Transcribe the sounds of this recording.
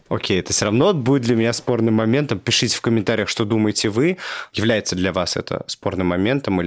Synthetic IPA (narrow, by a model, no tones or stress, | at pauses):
okʲʰejɛt̪ə̥sʲoɾɐvnot̪̚budʲɪt̪d̪lʲəmʲɪnʲaspo̞rnɨmːɐmʲe̞nt̪əmpʲɪʂɨtʲɪ̥fkəmʲɪnt̪aɾʲɪjəxʂt̪o̞d̪uməjɪtʲɪvɨjɪvlʲæjɪt̪səd̪lʲɐvasɛ̰t̪ʰə̰spo̞rnɨmːɐmʲe̞nt̪əmɨlʲɪ